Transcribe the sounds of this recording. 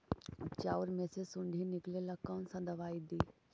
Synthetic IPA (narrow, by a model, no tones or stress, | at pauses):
t͡ʃaːʊɾmẽsesʊ̃ɳɖʱinɪklelɐkəːnsɐ̃d̪ɐʋaːid̪iː